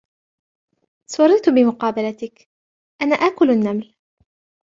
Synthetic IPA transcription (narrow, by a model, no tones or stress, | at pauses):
sʊɾˤɪt̪ʊbɪmʊqɑːbalat̪ɪk | ʔanaːʔaːkʊlanːaml